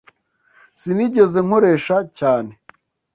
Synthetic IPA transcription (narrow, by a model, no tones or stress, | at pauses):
siniɟe̞ze̞ŋo̞ɾe̞ːʃacaːne̞